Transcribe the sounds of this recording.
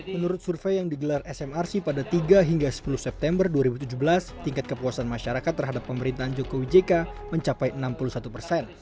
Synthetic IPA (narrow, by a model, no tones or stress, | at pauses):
mənuɾʊt̪̚surfejjaŋdiɡəlarɛsɛmarsipadat̪iɡaɦiŋɡasə̥puluhsɛp̚t̪ɛmbərduaɾibut̪ud͡ʒubəlast̪iŋkat̪̚kəpuasanmaʃaɾakat̪ːərɦadapːəməɾint̪aɦand͡ʒokowid͡ʒeka | məɲt͡ʃapajənampulusat̪upərsɛn